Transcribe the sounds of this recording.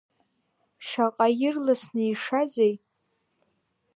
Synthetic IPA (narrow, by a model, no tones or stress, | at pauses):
ʃaqʼajɪrlasnɨiʂazej